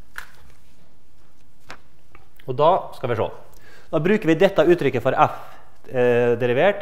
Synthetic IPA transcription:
oːd̪ɑːskɑʋɪːʂo̰ː | d̪ɑːbɾʉːkəɾʋɪːd̪ɛt̪ːɑʉːt̪ɾʏkːəfɔɾʔæf | d̪ɛɾɪʋeːʈ

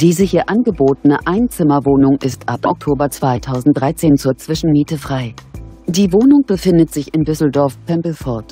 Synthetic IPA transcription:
d̥iːzəhiːɐʔanɡəboːtənəʔaɪnt͡sɪmɐvoːnʊŋʔɪstʔapʔʔɔk̚tʰoːbɐt͡sv̥aɪtʰaʊzn̩t̚d̥ʁaɪt͡seːnt͡suːɐt͡sv̥ɪʃn̩miːtəfʁ̥aɪd̥iːvoːnʊŋb̥əfɪndətz̥ɪçɪndʏsl̩dɔɐfpʰɛmpl̩fɔɐt

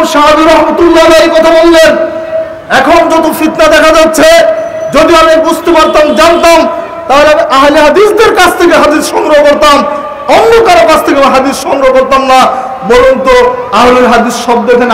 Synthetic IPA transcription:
ʃaɦad͡ʑiɾɔɦmat̪ulːalaekɔt̪ʰabolːen | ɛkʰond͡ʑɔt̪ofit̪nad̪ɛkʰad͡ʑatːɕʰe | d͡ʑod̪ioamiebost̪upaɾt̪amd͡ʑant̪am | t̪aɦoleamiʔaɦleɦad̪isd̪eɾkat͡ɕʰt̪ʰekeɦad̪isʃɔŋɾookoɾt̪am | ɔnːokaɾakat͡ɕʰt̪ʰekeamiɦad̪isʃɔŋɾookoɾt̪amna | bɔɾont̪oaɦleɾɦad̪isʃɔb̚d̪ek̪ʰen

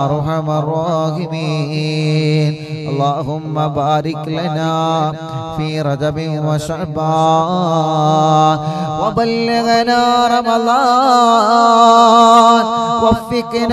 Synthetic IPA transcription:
ɾˤʊħamarˤːɑːɦɪmi | n | ʔɐlˤːaːɦʊmːɐbaːɾɪklɐnaː | fiːɾˤɐd͡ʒɐbɪnwɐʃaʕbaː | nwɐbɐlːɪɣnaːɾˤɑmɐða | nkɐfːɪkn

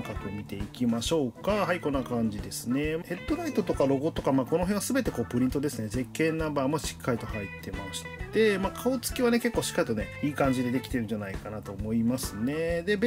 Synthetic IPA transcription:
kakɯ̟mʲit̪e̞ikʲimaɕo̞ːkahaiko̞nːakãɲ̟d͡ʑid̪e̞sɨne̞mhe̞t̪ːo̞ɾait̪o̞t̪o̞kaɾo̞ɡot̪o̞kamaːko̞no̞ɦeɰ̃asɨbe̞t̪e̞ko̞ːpɯ̟ɾʲĩnt̪o̞d̪e̞sɨne̞ze̞kːẽ̞nːabaːmoɕi̥kːaɾʲit̪o̞hait̪ʰːe̞maɕi̥t̪e̞maːkʰaot͡sɨ̥kʲiβane̞ke̞kːoːɕi̥kːaɾit̪o̞neiːkãɲ̟d͡ʑid̪e̞d̪e̞kʲi̥t̪e̞ɾɯ̟ɲd͡ʑanaikanat̪o̞ːmo̞imasɨne̞d̪e̞b

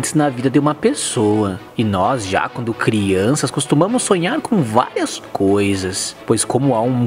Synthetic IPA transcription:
t̪ɪznɐvid̪ɐd̪ɪũmɐpesoɐ | ɪnɔzʒa̰kwɐ̃nd̪ʊkɾiɐ̃sɐskost̪umɐ̃mʊsːõɲaɾkõw̃va̰ɾiɐskojzɐspojskõmʊaũ

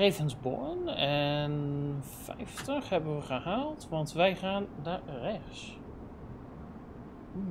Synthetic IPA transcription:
evənzbo̰nɛnfɛ̰jftəχhɛbənʋəχəhaːlˠtʋɑntʋɛjχaːndarɛxs

